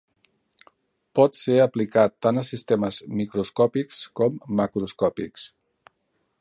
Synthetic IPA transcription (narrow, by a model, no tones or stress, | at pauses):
pɔt̪seəplikat̪ːanəsist̪eməzmikɾuskɔpikskɔmːəkɾuskɔpiks